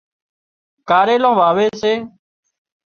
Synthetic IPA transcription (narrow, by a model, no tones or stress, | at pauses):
kaːɾeːlõːʋaːʋeːseː